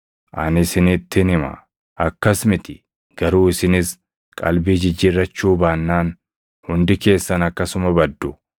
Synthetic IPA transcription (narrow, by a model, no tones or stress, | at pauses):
ʔɐ̰nɪsɪnɪt̪ːɪnɪmɐ̰ | ɐkːɐsmɪt̪ɪ | ɡ̥ɐɾuːɪsɪnɪs | kʼɐlbiːd͡ʒɪd͡ʒːɪɾːɐt͡ʃːuːbaːnːaːn | hʊnd̪ɪke̞ːsːɐnɐkːɐsʊmɐbɐd̪ːʊ